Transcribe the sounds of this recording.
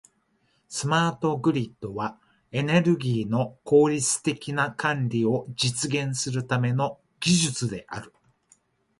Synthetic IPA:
sɨmaːt̪o̞ɡɯ̟ɾʲit̪ːo̞βa | e̞ne̞ɾɯ̟ɡʲiːno̞ko̞ːɾʲit͡sɨ̥t̪e̞kʲinakãnɾʲio̞d͡ʑit͡sɨɡẽ̞ɰ̃sɨɾɯ̟t̪ame̞no̞ | ɡ̥ʲiʑɨt͡sɨd̪e̞ʔa̰ɾɯ̟

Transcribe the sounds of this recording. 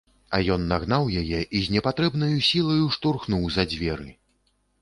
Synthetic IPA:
ɐjɔnːaɣn̪awjajɛʔizʲnʲɛpat̪ɾɛbnɐjusʲilˠɐjuʂt̪urxnuwzɐd͡zʲvʲɛɾɨ

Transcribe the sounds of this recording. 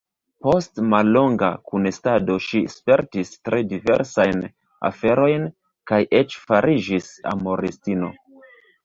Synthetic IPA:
po̞stmalːo̞ŋɡa̰kunestado̞ʃispe̞ɾtistɾʔedive̞̰ɾsajn | a̰fe̞ɾo̞jn | kajʔet͡ʃfaɾʔid͡ʒisa̰mo̞ɾistino̞̰

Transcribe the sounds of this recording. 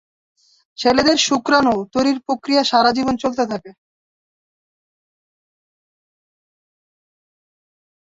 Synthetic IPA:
t͡ɕʰeled̪eɾʃukɾanot̪oɾiɾpɾokɾijaʃaɾad͡ʑibont͡ɕolt̪et̪ʰake

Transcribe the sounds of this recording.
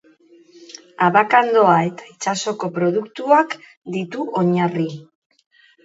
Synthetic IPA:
aβakand̪o̞ae̞t̪ḁit͡ʃaso̞ko̞pɾo̞ð̞ukt̪uak | d̪it̪uʔo̞ɲari

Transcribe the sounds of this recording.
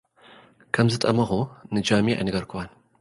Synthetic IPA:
kʰɐmzɨt̪ʼɐmɐxunɨd͡ʒamiʕa̰jnɐɡɐɾkʰɨwan

